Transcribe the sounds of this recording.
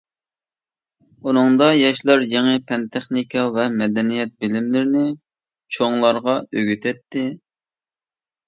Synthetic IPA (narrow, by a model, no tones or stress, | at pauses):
unɨŋd̪ɑjɑʃlˠɑɾjeŋɨpʰɛnt̪ʰɛχnikʰɑvɛmɛd̪ɛnijɛt̪̚bɪlɪmlɪɾɪnɪ | t͡ʃʰoŋlˠɑɾʁɑøɡʲyt̪ʰɛt̪ːɪ